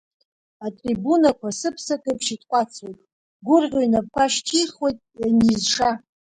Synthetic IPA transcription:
atʼribunakʷasɨpʰsakʼɨpʰʂitʰʼqʷʼat͡sʰwojtʼ | ɡʷʊrʁʲoinap̚kʷʰaʃtʰijrχwe̞jtʼjanizʂa

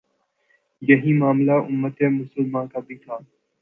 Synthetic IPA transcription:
jəɦĩːmaːmlaːʔʊmːət̪eːmʊsəlmãːkaːbʱiːt̪ʰaː

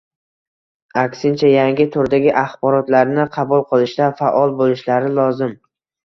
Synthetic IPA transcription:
akʲsɪnt͡ʃʰajaŋɡʲɪt̪ʰʊɾd̪aɡʲɪʔaχbɒɾɒt̪laɾnɪqʰɑbʊlˠqʰɨlˠɪʃt̪afa̰ʔɒlˠbolɪʃlaɾɪlˠɒzɪm

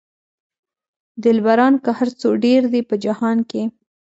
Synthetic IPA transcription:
d̪ɪlbaɾɑnkəhaɾt͡soɖeɾd̪ipəd͡ʒahɑnke

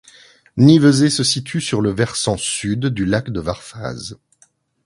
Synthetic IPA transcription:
nivəzesəsit̪ʰysyʁləvɛʁsɑ̃syd̪ːylakd̪əvaʁfa̰z

